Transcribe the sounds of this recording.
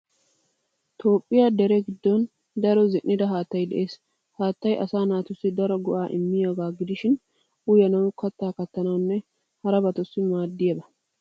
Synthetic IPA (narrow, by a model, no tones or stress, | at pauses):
t̪o̞ːpʼːɪjad̪ɛɾɛɡɪd̪ːɔn | d̪ɐɾɔzɛʔːɪd̪ɐɦaːt̪ːɐjd̪ɛʔe̞ːs | haːt̪ːɐjʔɐsaːnaːt̪ʊsːɪd̪ɐɾɔɡɔʔaːʔɪmːɪjoɡaːɡɪd̪ɪʃɪn | ʔʊjɐnɐwʊkɐt̪ːaːkɐt̪ːɐnɐwnːɛ | hɐɾɐbɐt̪ɔsːɪmaːd̪ːɪjɐbɐ